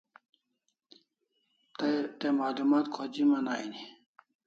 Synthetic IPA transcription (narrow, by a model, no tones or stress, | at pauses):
t̪emaːlumaːt̪̚kʰod͡ʑimɐnaːini